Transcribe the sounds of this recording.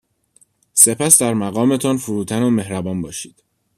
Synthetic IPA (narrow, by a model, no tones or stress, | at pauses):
se̞pʰæsd̪æɾmæɣɒːme̞t̪ʰɒnfuɾuːt̪ʰænome̞hɾæbɒːnbɒːʃiːd̪̥